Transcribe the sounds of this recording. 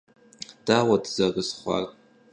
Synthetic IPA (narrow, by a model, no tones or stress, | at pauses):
d̥awadzaɡɨsχʷa̰r